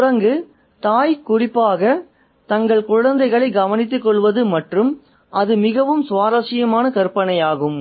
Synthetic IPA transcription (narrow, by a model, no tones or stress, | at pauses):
rɐŋɡɯ | t̪aːjkʊrɪpːaːɣɐ | t̪ɐŋɡɐɭkʊɻɐnd̪ɐɪɣɐɭɐɪɡɐʋɐnɪt̪̬ːɯkːɔɭʋɐðɯmɐʈrɯm | ʔɐðɯmɪɣɐʋɯmsʋaːɾɐsɪjɐmaːnɐkɐɾpɐɳɐjaːɣɯm